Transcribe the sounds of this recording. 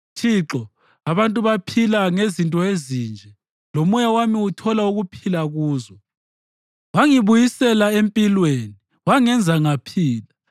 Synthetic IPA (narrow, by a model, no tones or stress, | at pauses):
tʰiǁɔ | aβantʼuβapʰilaŋezintʼɔezind͡ʒʱɛ | lomujawamiutʰɔlauɣupʰilaɣuːzɔ | waŋiβujisɛlaempʼilweni | waŋɛnd͡zʱaŋapʰiːla